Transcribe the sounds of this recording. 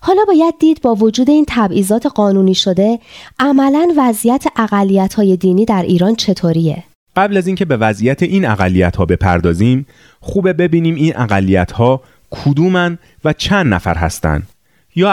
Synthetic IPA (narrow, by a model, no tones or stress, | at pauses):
hɒːlɒːbɒːjæd̪̚ːiːd̪̚bɒːvo̞d͡ʒuːd̪e̞iːnt̪ʰæbʔiːzɒːt̪ʰe̞ɢɒːnuniːʃo̞d̪e̞ʔæmælænvæzijæt̪ʰeʔæɣælːijæt̪hɒːje̞d̪iːniːd̪æɾʔiːɾɒːnt͡ʃʰe̞t̪ʰoːɾijḛ | ɢæblæziːŋcʰe̞be̞væzʔijæt̪ʰeʔinæɣælːijæt̪hɒːbe̞pʰæ̰ɾd̪ɒːziːm | xuːbe̞be̞biːniːmiːnʔæɣælːijæt̪ʰhɒː | kʰud̪uːmæn | væt͡ʃʰænd̪næfæ̰ɾɦæ̰st̪æ̰nd̪̥ | jɒː